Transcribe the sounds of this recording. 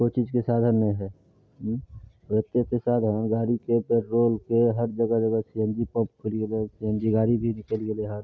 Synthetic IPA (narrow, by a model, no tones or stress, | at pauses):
kojt͡ʃiːd͡ʒkesaːd̪ʱənːəĩɦɛ | et̪ːet̪esaːd̪ʱənɡaːɾikebeɾɾoːlkeɦəɾd͡ʒəɡəd͡ʒəɡəsiə̃nd͡ʒipə̃pkʰuliɡelesiɦə̃nd͡ʒiɡaːɾibʱinɪkəlɡeleɦəɾ